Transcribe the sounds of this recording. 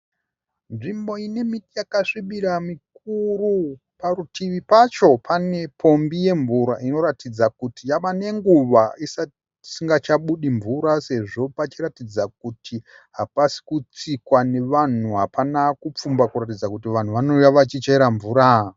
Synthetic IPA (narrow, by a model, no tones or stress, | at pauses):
nʐimbo̞ine̞mitijakaʂiɓiɾamik̚uru | paɾutʰiʋipat͡ʃo̞pʰane̞pʰo̞mbije̞ɱvuɾaino̞ɾatid͡zakutijaʋane̞ŋɡuʋaisa | siŋɡat͡ʃaɓuɗiɱvuɾase̞ʐo̞pat͡ʃiɾatid͡zak̚utʰi | ɦapasi̥kut͡sikwane̞ʋan̤uɦapanakup͡fumbakuɾat̬id͡zakutiʋan̤uʋanojaʋat͡ʃit͡ʃeeɾaɱvuːɾa